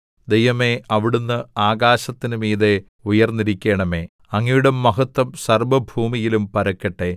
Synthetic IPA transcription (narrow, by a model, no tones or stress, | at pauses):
d̪e̞jʋɐmeɐʋiɽunːɨaːɣaːɕɐt̪ːinɨmiːðe̞ | ujɐrnːiɾikʲːe̞ːɳɐme̞ː | ɐŋːijuɽɐmːɐɦɐt̪wɐmsɐrbɐbʱuːmijilumpɐɾɐkːɐʈːe̞